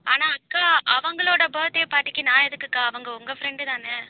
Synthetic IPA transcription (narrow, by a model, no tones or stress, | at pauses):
aːnaːɐkːaːʔɐʋɐŋɡɐɭoːɽɐbɐːɐt̪ːeːpaːʈːɪkʲːɯnaːɛðɯkːɯkːaːɐʋɐŋɡɐʊŋɡɐfɾɛɳɖɯt̪ãːnɐː